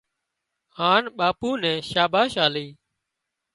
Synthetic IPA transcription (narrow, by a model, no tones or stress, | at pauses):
haːnɓaːpuːnɛ̃ːʃaːbaːʃaːliː